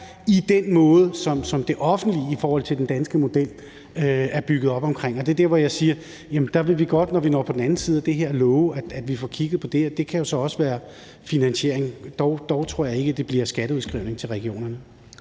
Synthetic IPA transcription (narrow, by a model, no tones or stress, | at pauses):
id̥enmɔ̽ːð̞̩ˠsɒ̽msɒ̽md̥e̝ʔɒ̽fn̩d̥liifɒːhɒ̽l̰t͡sʰe̝ld̥end̥ænsɡ̥əmo̝d̥el̰ | øæɐb̥yɡ̥əð̩ˠɒ̽b̥ɒ̽mkʰʁeŋ̰ɒ̽d̥e̝d̥eɐʋɒjɑ̈ɪsiːɐ | jæmənd̥ɑ̈ʋe̝ʋiɡ̥ɒ̽d̥nɒʋinɒ̰ːpʰɒ̽d̥n̩æn̩siːð̞ˠæd̥e̝ɦeɐ̰lɔːʊæ̥æd̥ʋifɒkʰiɡ̥ð̞̩ˠpʰɒ̽d̥e̝ɒd̥e̝kʰæjo̝sɒ̽ɒ̽səʋæːɐ | finænɕe̝ɐ̰eŋd̥ɒʊd̥ɒʊt͡sʰʁo̝ɐ̰jɑ̈e̝ɡ̥əd̥e̝b̥liɐsɡ̥æɾəuðˠsɡ̥ʁiʊ̰ne̝ŋt͡sʰelʁɛɡ̥io̝̰ːnɐnə